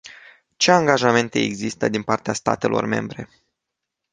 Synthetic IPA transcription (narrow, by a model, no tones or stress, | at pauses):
t͡ʃe̞aŋɡaʒame̞nt̪e̞̰ːɡzist̪əd̪inpart̪east̪a̰t̪e̞lo̞̰rme̞̰mbɾe̞̰